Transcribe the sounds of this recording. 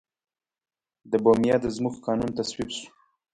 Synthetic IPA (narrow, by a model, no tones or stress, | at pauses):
d̪əbomjɑd̪əzmuxkɑnunt̪aswibʃu̥